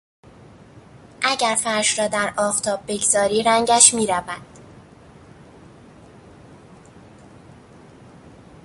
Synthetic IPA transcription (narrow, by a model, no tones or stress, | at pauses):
ʔæɟæɾfæɾʃɾɒːd̪æɾɒːft̪ʰɒːb̚ːe̞ɡzɒːɾiːɾæŋɟæʃmiːɾævæd̪̥